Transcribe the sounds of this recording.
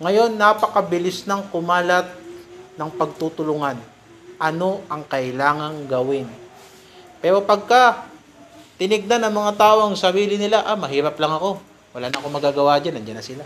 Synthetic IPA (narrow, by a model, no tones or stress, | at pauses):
ŋɐjo̞nːapɐkɐbɪlɪsnɐŋkʊmaːlɐt̪̚nɐŋpɐɡ̚t̪ut̪ʊlʊŋan | ʔɐno̞ʔɐŋkɐʔɪlaːŋɐŋɡɐwɪn | pɛːɾo̞pɐɡ̚ka | t̪ɪnɪɡ̚nanɐŋmɐŋat̪aːʔo̞ɐŋsɐɾiːlɪnɪlaʔamɐɦiːɾɐplɐŋɐko̞ | wɐlaːnɐʔɐko̞mɐɡaːɡɐwad͡ʒanɐnd͡ʒanːɐsɪla